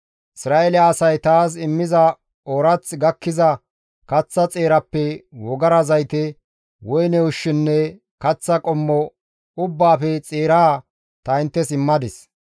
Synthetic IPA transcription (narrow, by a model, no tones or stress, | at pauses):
ʔɪsɾaːʔelɪaːsɐjt̪aːs̬ɪmːɪzɐ | oːɾɐt͡sɡɐkːɪzɐ | kɐt͡sːɐt͡sʼeːɾɐpːɛwɔɡɐɾɐzɐjt̪ɛ | wɔjnɛʊʃːɪnːɛ | kɐt͡sːɐkʼɔmːɔ | ʊbːaːfɛt͡sʼeːɾaː | t̪ɐɪnt̪ːɛsɪmːɐd̪ɪs